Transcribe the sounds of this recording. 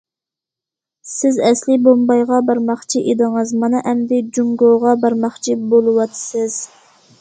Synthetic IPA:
sɪzɛslɪbombɑjʁɑbɑɾmɑχt͡ʃʰiʔed̪ɨŋɨzmɑnɨʔɛmd̪ɪd͡ʒuŋɡoʁɑbɑɾmɑχt͡ʃʰibolˠɨwɑt̪ʰɨ̥sɪz̥

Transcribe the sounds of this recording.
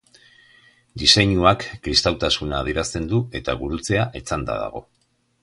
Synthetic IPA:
d̪ise̞ɲuakːɾist̪awt̪asunaːðieɾast̪e̞nd̪ue̞t̪a̰ɣuɾut͡se̞aʔe̞t͡sand̪a̰ða̰ɣ̞o̞̰

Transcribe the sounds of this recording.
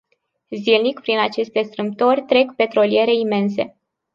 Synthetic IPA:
zilnikpɾinat͡ʃe̞st̪e̞st̪ɾɨmp̚t̪o̞rʲt̪ɾe̞kpe̞t̪ɾo̞lije̞ɾe̞ime̞nse̞̰

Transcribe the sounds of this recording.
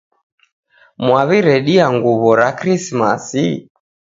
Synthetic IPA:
mwaβiɾɛɗiaŋɡuβɔɾakɾismasi

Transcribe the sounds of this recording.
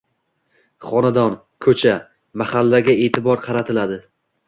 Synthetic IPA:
χɒnad̪ɒn | kʰɵt͡ʃʰa | mahalːaɡʲae̞ːt̪ʰɪbɒɾqʰɑɾat̪ʰɪlad̪ɪ

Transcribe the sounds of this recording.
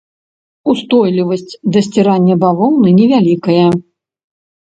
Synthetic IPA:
ust̪ɔjlʲivɐsʲt͡sʲd̪ɐsʲt͡sʲiɾanʲːɐbavɔwnɨnʲɛvʲalʲikɐjɐ

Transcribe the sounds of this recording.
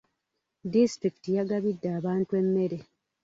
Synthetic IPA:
distɾiki̥tijaɡaβidːaːβaːntue̞mːe̞ɾe

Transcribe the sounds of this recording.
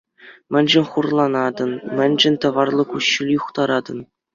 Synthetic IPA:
mʲɘ̆nʲʑɘ̆nʲχurlˠɑnɑd̪ɤ̆nmʲɘ̆nʲʑɘ̆nʲt̪ɤ̆ʋɑrlˠɤ̆kuɕːilʲjuχt̪ɑɾɑd̪ɤ̆n

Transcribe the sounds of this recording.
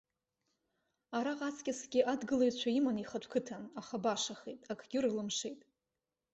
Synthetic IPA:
aɾaqʼat͡sʰʼkʲʼasɡʲɪʔadɡɨlaɥt͡ɕʷʰaimaniχatʷʰkʰɨtʰanaχabaʂaχejtʼakʰɡʲɪrlɨmʂe̞jtʼ

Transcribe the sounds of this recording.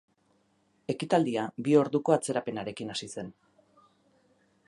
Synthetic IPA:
e̞kit̪ald̪iabio̞ɾðuko̞at͡se̞ɾape̞naɾe̞kinasise̞n

